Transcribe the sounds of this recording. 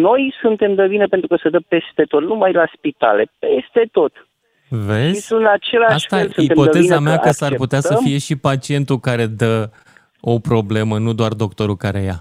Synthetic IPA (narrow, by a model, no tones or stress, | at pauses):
no̞jsunt̪e̞md̪əbinepent̪ɾukəsəd̪əpe̞st̪e̞t̪o̞t̪numajlaspit̪a̰le̞pest̪e̞t̪o̞t̪ | veʃzisunat͡ʃe̞laast̪asuit̪epo̞t̪əe̞zameakəsarput̪easəfije̞ʃipat͡ʃie̞nt̪ukaɾe̞d̪ə | o̞pɾo̞ble̞mənud̪oard̪o̞k̚t̪o̞ɾukaɾe̞ja